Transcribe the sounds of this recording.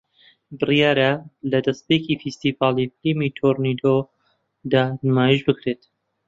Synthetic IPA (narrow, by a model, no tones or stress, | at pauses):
bɨrijaːɾalɐd̪ɐst̪̚pekifist̪ivɑːlˠiflimit̪ʰoɾnid̪o | d̪aːnmaːjiʒbɨkɾeːt̪